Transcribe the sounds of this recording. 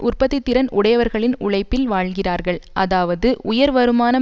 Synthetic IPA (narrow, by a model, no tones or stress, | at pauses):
ʊrpɐðɪt̪ːɪɾɐnʊɽɐjɐʋɐɾɣɐɭɪnʊɭɐɪpːɪlʋaːɭɣɪraːɾɣɐɭʔɐðaːʋɐðɯʔʊjɐɾʋɐɾɯmaːnɐ